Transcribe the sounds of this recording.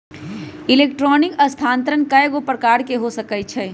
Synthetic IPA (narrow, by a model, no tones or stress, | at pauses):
ɪleːkʈɾɔːnɪkɐst̪ʰaːnt̪ɾənkəjeɡopəɾkaːɾkeɦosɐkəjt͡ʃʰɛː